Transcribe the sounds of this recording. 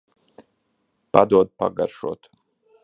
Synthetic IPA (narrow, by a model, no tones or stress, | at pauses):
pad̪uɔd̪̚pa̰ɡaɾʃo̰ːt̪